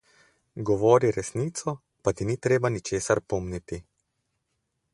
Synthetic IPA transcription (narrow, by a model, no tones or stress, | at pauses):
ɡɔʋɔːɾiɾɛsniːt̪sɔ | pat̪iniːt̪ɾeːbanit͡ʃeːsaɾpɔːmnit̪i